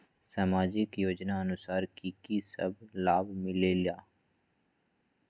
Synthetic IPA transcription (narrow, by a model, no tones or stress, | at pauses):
saːmaːd͡ʒɪkjoːd͡ʒnaɐnʊsaːɾkiːkisɐ̰blaːbmɪlelijaː